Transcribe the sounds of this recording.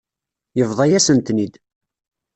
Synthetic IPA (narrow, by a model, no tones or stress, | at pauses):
jəvðˤɑjæsənt̪nid̪